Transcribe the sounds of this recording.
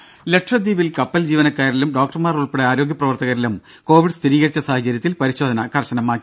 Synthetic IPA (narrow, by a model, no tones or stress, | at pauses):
le̞ʈʂɐd̪iːʋilkɐpːɐld͡ʑiːʋɐnɐkːaːɾilumɖo̞ːk̚ʈɐrmaːruɭpeɽeaːɾo̞ːɡjɐprɐʋɐrt̪ɐɣɐɾilum | ko̞ːʋiɖst̪ʰiɾiːɣɐɾit͡ɕːɐsaːhɐt͡ɕɐɾjɐt̪ːilpɐɾiɕo̞ːd̪ʱɐnɐkʰɐrɕɐnɐmːaːkːi